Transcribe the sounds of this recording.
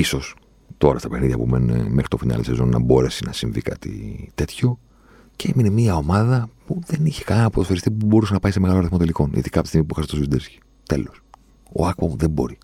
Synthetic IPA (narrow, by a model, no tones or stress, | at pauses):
iso̞s | t̪o̞ɾɐst̪ɐpe̞xniðʝɐpumenḛme̞xɾit̪o̞finɐ̰lise̞zo̞nːɐ̰bo̞ɾe̞sinɐsiɱvḭkɐ̰t̪ḭt̪e̞t̪ço̞ | ceeminemiɐo̞mɐðɐpuðe̞niçe̥kɐninɐpot̪ofeɾist̪ipubo̞ɾusenɐpɐise̞me̞ɣɐlo̞ɐɾiθmo̞t̪eliko̞nḭðikɐpoisiɣmipuixɐst̪ozvid̪eɾsçi̥ | t̪e̞̰lo̞s | o̰ɐkoðe̞mbo̞̰ɾi